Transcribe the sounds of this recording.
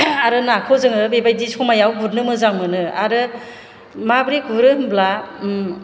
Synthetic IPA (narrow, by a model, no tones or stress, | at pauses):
aɾɯnakʰɔzɯŋɯbebajdisɔmajawɡuɾnɯmɯzawmɯnɯaɾɯ | mabɾiɡuɾɯɯmbla